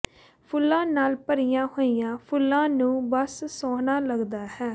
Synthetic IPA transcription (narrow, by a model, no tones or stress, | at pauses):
pʰʊlːãːnaːlpəɾijãːhoːijãːpʰʊlːãːnũːbəssɔːnaːləɡd̪aːhɛː